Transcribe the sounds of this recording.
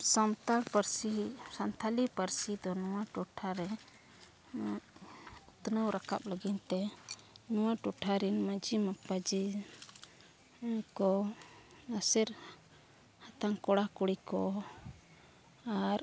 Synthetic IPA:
samt̪aɽpəɾsisant̪ʰalipəɾsid̪ɔnuwaʈɔʈʰaɾɛ | ut̪nəwɾaka̰p̚ləɡint̪ɛnuwaʈɔʈʰaɾinmad͡ʒimapad͡ʒi | kɔ | asɛɾ | hat̪aŋkɔɽakuɽikɔ | aɾ

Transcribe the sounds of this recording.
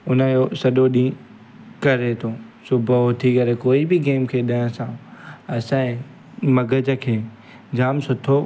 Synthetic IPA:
ʊnəjosɐɗoɗĩː | kɐɾet̪ʰosʊbʱəot̪ʰikɐɾekoːibɪɡeːmkʰeːɗɐ̃ə̃sãɐsãːɪ̃ | mɐɡʱəd͡ʑəkʰeː | d͡ʑaːmsʊt̪ʰo

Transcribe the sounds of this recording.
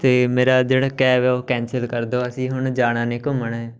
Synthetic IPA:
t̪eːmeːɾaːd͡ʒeːɽaːkɛːʋɛːoːkɛ̃ːnsəlkəɾd̪oːəsĩːɦʊɳd͡ʒaːɽ̃ãːneːkʊməɳɛː

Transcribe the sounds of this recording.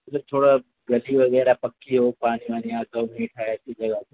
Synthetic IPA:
ɐtɐt̪ʰoːɽa | ɡɐliʋɐɣɛːɾapɐkːiɦopaːnimaːniãːt̪ɐmẽːʈʰaːɦeɐt͡ʃʰid͡ʒɐɡat̪ː

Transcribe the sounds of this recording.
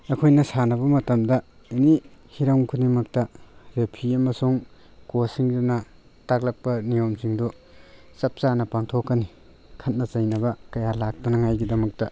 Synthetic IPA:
ɐkʰojnɐsanɐβɐmɐtɐmdɐ | enihiɾawŋkʰunimɐk̚tɐɾepʰiɐmɐsuŋ | kosiŋdinɐ | tak̚lɐk̚pɐnijomsiŋdu | sɐp̚sanɐpaŋtʰokːɐni | kʰɐt̚nɐt͡ʃɐjnɐbɐkɐjalak̚tɐnɐŋajɡidɐmɐk̚tɐ

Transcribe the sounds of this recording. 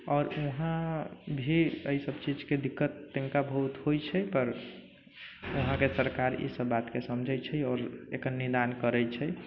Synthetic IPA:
ɔːɾuɦãbʱiəisəbt͡ʃid͡ʒked̪ikːət̪ːə̃ŋkabʱəɦut̪hojt͡ʃʰɛpəɾ | oɦãkesəɾkaɾḭsəbːat̪kesəmd͡ʒʱɛt͡ʃʰɛɔːɾḛkənnːid̪ankəɾɛjt͡ʃʰɛ

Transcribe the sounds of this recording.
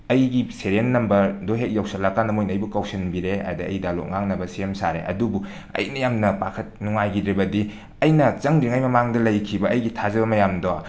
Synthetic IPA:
ɐjɡiseɾenːɐmbɐɾdoɦet̚jawsɐlakanɐmojnɐjbukawsɐnbiɾea̰jdɐɐ̰jdalo̰k̚ŋaŋnɐbɐsiemsaɾḛʔɐ̰dubu | ɐ̰jnɐjamnɐpakʰɐt̚nuŋajɡidɾibɐdi | ɐjnɐt͡ʃɐŋdɾiŋajmɐmaŋdɐlɐjkʰibɐːjɡitʰazɐbɐmɐjamdowa

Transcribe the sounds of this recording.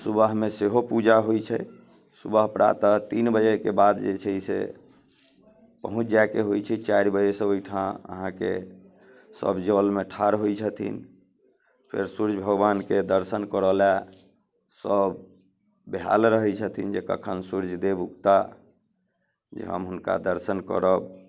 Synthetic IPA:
subəɦmeseɦopud͡ʒaɦojt͡ʃʰɛ | subəɦpɾʔa̰t̪ət̪inbəd͡ʒekebad̪d͡ʒet͡ʃʰəisḛ | pəɦũt͡ʃʰd͡ʒakeɦojt͡ʃʰɛt͡ʃaɾbəd͡ʒesə̃ojʈʰãə̰ɦãkḛ | sə̰bd͡ʒəlmeʈʰaɾɦojt͡ʃʰət̪ʰḭn | pʰḛɾsuɾd͡ʒbʱəɡbanked̪əɾsənkəɾəla | səbː | eɦa̰lɾəɦɛt͡ʃʰət̪ʰind͡ʒekə̰kʰənsuɾd͡ʒʱd̪ebukt̪a | d͡ʒḛɦə̰mɦunka̰d̪əɾsənkə̰ɾəb

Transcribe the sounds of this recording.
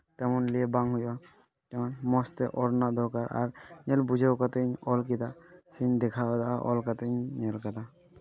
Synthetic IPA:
t̪ɛmɔnliɛbaŋɦujba | t̪ɛmanmɔst̪ɛʔɔɾnad̪ɔkaɾa̰ɾnɛlbud͡ʒʱawkat̪eɲɔlkit̪asind̪ɛkʰad̪aʔɔ̰lkat̪eɲnɛlkat̪a

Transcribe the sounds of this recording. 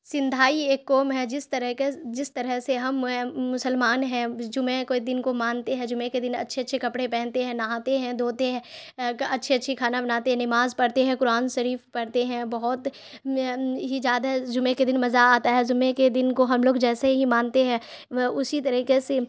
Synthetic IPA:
sɪ̃nd̪ʱaːieːkːɔːmɦɛd͡ʒɪst̪ɐɾkd͡ʒɪst̪ɐɾəɦseɦɐmmʊsəlmaːnɦɛ̃d͡ʒʊmẽkoid̪ɪnkomãːnt̪eɦɛ̃d͡ʒʊmẽked̪ɪnɐ̰tːʃʰeɐtːʃʰekɐpɽepɛ̃ːnt̪eɦɛ̃naaːt̪eɦɛ̃d̪oːt̪eɦɛ̃ɐtːʃʰeɐtːʃʰikʰaːnabɐnaːt̪eɦɛ̃nɪmaːzpɐɽt̪eɦɛ̃kʊɾaːnʃɐɾiːfpɐɽt̪eɦɛ̃bɐɦɔt̪ | ɦid͡ʒjaːd̪ad͡ʒʊmẽked̪ɪnmɐzaaːt̪aɦɛd͡ʒʊmẽked̪ɪnkoɦɐmloːɡd͡ʒɛːseɦimãːnt̪eɦɛ̃ː | ʊsit̪̬ɐɾiːkese

